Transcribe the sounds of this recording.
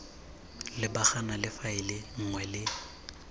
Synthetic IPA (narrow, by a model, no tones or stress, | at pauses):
lɪbaχanalɪfaɪlɪŋ̩ŋwɛlɪ